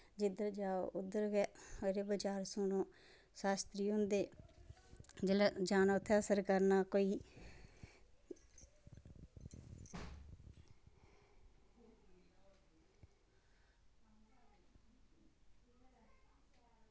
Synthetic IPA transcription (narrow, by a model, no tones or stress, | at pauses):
d͡ʒɪd̪əɾd͡ʒaːo̰ʔʊd̪ːəɾɡɛːoɾeːbəd͡ʒaːɾsunõː | saːst̪ɾiːɦʊ̃nd̪eː | d͡ʒelɛd͡ʒaːnoːt̪ʰːeːəsəɾkəɾnaːkoːiː